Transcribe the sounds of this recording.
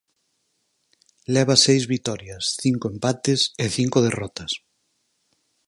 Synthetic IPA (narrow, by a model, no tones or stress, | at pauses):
lɛβ̞ɐsejzβit̪ɔɾjasθiŋkoempat̪ɪseθiŋkoð̞erɔt̪ɐs